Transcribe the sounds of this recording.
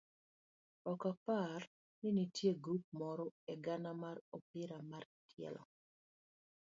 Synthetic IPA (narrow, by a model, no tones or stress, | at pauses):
ɔkapar | ninitjeɡup̚mɔɾɔeɡanamaropɪɾamar | tʰjɛ̰lɔ̰